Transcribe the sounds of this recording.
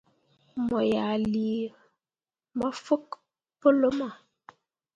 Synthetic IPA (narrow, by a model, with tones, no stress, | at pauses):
mɔ˨ja˨li˨ | mɔ˦fu˦k | pə˦lə˦mɔ˨